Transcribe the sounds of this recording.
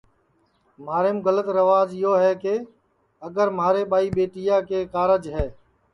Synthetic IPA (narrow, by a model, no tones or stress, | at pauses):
m̤aːɾeːmɡələt̪ɾəʋaːd͡ʒɪɦoːɦɛːkeː | əɡəɾmaːɾeːɓaːiːɓeːʈijaːkeːkaːɾəd͡ʒɦɛː